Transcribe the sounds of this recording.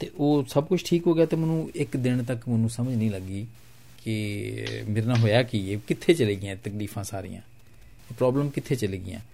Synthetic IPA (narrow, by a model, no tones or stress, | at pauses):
t̪eːʔoːsəbkʊt͡ʃʰʈʰiːkɦoːɡɪjaːt̪eːmənũːɪkd̪ɪɳt̪əkmənũːsəməd͡ʒnĩːləɡːiː | kɪ | meːɾnãːɦoːjaːkɪeːkɪt̪ʰːeːt͡ʃəleːɡɪjãːt̪əkliːfʰãːsaːɾḭjã̰ː | pɾɔːbləmkɪt̪ʰeːt͡ʃəleːɡɪ̰jã̰ː